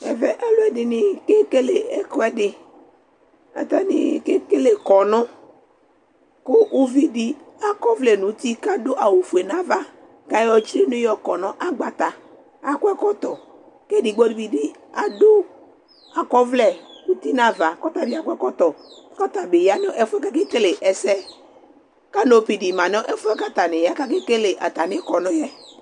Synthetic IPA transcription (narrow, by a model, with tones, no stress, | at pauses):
ɛ̰˨vɛ˦ʔɛ˦lʊ˦ɛ˦dɪ˨nɪ̃˨ke˦ke˦le˨ɛ˦kɔ˦ɛ˦dɪ˨ | a̰˨t̪a˦nɪ̰̃˨ke˦ke˦le˨kɔ˨nɔ̃˦ | kʊ˦ʔu˦vi˦di˦a˨kɔ˦vlɛ˨nũ˨˦t̪i˦ka˦do˦ʔa˨wu˨fu˨e˨nã˦va˦ | ka˦jɔ˦t͡ʃɾi˦nũ˦jɔ˦kɔ˨nɔ̃˦ʔa˦ɡ͡ba˨t̪a˨ | a˨kʊ˦ɛ˦kɔ˦t̪ɔ˨ | ke˦di˨ɡ͡bɔ˦di˨˦bi˨di˦ | a˨do˦ | a˨kɔ˦vlɛ˨u˦t̪i˦nã˦va˨kɔ˦t̪a˨bi˦a˨kʷɛ˦kɔ˦t̪ɔ˨˦kɔ˦t̪a˨be˨ja˦n˦ɔ˦ʔɛ˦fʊ˦ɛ˦ka˦ke˦ke˦le˨ʔɛ˨sɛ˦ | ka˦no˨pi˨di˨mã˨n˦ɔ˦ʔɛ˦fʊ˦ɛ˦ka˦t̪a˨nɪ˨ja˦ka˦ke˦ke˦le˨ʔa˨t̪a˨nɪ̃˦kɔ˨nɔ̃˦jɛ˦